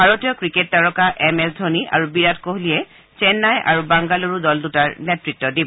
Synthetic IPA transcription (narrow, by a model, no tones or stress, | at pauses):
bʱaɹotijɔkɹiketːaɹɔkaʔɛmɛsdʱoniʔa̰ɹubiɹatkoɦliɛ | t͡ʃɛnːajʔa̰ɹubaŋɡaloɹudɔldutaɹnɛtɹitːɔdibɔ